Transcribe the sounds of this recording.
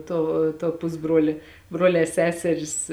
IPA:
ˈtoː toː ˈpʊzbruɔlʲeː ˈbruɔlʲɛː ˈsʲæːsʲɛrʲɪs

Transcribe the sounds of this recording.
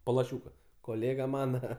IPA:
poː lˠɐˈʃʲuːkɐ koːˈlʲeːɡɐ ˈmɑːnɐ

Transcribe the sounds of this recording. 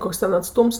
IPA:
ˈkoːks ˈtʲɛn ɐtˈstʊms

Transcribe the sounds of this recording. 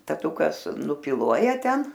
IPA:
tɐˈtʊkɐs nʊpʲɪˈlˠuɔjɛ ˈtʲɛn

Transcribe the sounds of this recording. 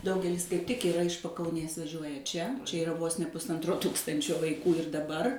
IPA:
ˈdɐʊɡʲɛlʲɪs kɐɪp tʲɪk ɪˈrɐ ɪʃ pɐkɐʊˈnʲeːs ʋɐˈʒʲuɔjɛ ˈt͡ʃʲɛ ˈt͡ʃʲɛ ɪˈrɐ ʋoːs nʲɛ pʊsˈɐntroː ˈtuːkstɐnʲt͡ʃʲoː ʋɐɪˈkuː ɪr dɐˈbɐr

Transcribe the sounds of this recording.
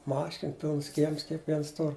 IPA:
ˈmɑːʃʲɪn ˈpʲɪlˠns ˈkʲiɛms kʲiɛkˈʋʲiɛns ˈtʊr

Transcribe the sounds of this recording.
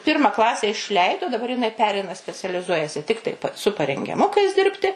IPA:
ˈpʲɪrmɐ ˈklˠɑːsʲɛ ɪʃʲˈlʲɛɪdoː dɐˈbɐr jɪˈnɐɪ ˈpʲæːrʲɛɪnɐ sʲpʲɛt͡sʲɛlʲɪˈzuɔjɛsʲɪ ˈtʲɪktɐɪ sʊ pɐrʲɛŋʲɡʲɛˈmʊkɐɪs ˈdʲɪrʲpʲtʲɪ

